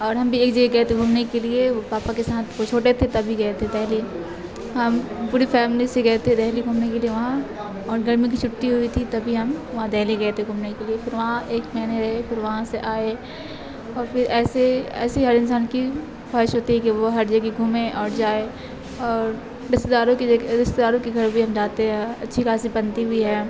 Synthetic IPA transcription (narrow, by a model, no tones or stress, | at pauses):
ɔːɾɦɐmbʱieːkd͡ʒɐɡeɡɐet̪ʰeɡʱuːmnekeliepaːpakesaːt̪ʰʋot͡ʃʰoːʈet̪ʰet̪ɐbʱiɡɐet̪ʰet̪ɛɦli | ɦɐmpuːɾifɛːmliseɡɐɦt̪ʰed̪ɛɦliɡʱuːmnekelieʋɐɦã | ɔːɾɡɐɾmĩk̬it͡ʃʰʊʈt̪iɦʊit̪ʰit̪ɐbʱiɦɐmʋɐɦãd̪ɛːliɡɐt̪ʰeɡʱuːmnekeliepɪɾʋɐɦãeːkmɛːneɾɐɦepɪɾʋɐɦãseʔaːe | ɔːɾpɪɾɛːseɛ̰ːsiɦɐɾɪnsaːnki | faːɪʃɦoːt̪iɦɛkiʋoɦɐɾd͡ʒɐɡkiɡʱʊmẽʔɔːɾd͡ʒaːe | ɔːɾ | ɾɪst̪ed̪aːɾõkid͡ʒɡdɪst̪ed̪aːɾõkiɡʱɐɾbʱiɦɐmd͡ʒaːt̪eɦɛ̃ɐtːʃʰikaːsibɐ̃nt̪iɦʊiɦɛː